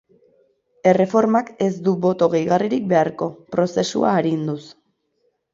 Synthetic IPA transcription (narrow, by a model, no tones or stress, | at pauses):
e̞re̞fo̞ɾmake̞zd̪uβo̞t̪o̞ɣejɣ̞ariɾik̚be̞aɾko̞pɾo̞se̞sṵa̰ːɾind̪us